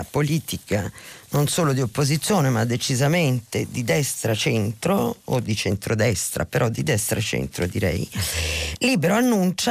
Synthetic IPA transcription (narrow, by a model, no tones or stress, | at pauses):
poliːt̪ikanonsoːlod̪iopːozit̪sːjoːnemad̪ːet͡ʃizament̪ed̪id̪ɛst̪ɾat͡ʃɛnt̪ɾoo̰d̪ːit͡ʃent̪ɾod̪ɛst̪ɾa̰peɾʔɔd̪ːid̪ɛst̪ɾʔat͡ʃɛ̰nt̪ɾod̪iɾɛ̰j | liːbeɾoanːunt͡ʃa